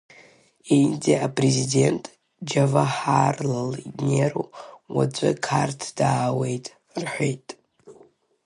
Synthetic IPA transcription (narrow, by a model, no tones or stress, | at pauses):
ejnd͡zeapʼrezide̞ntʼ | d͡ʒavaħarlalneɾuwat͡ʃʷʼɨkʰartʰdaːwe̞jtʼ | rħʷejtʼ